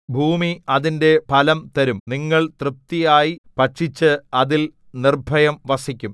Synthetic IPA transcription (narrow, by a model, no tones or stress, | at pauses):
bʱuːmiɐðinde̞pɐlɐmt̪ɐɾumniŋːɐɭt̪rɨp̚t̪ijaːjipɐʈʂit͡ɕːɨɐðil | nirbʱɐjɐmʋɐsikʲːum